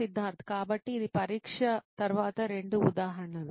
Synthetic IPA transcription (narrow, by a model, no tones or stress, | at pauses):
id̪ʱːaːɾt̪ʰkaːbɐʈːiːd̪ipɐɾiːkʂɐt̪ɐɾʋaːt̪ɐɾeɳɖuṵd̪aːɦɐɾɐɳɐlu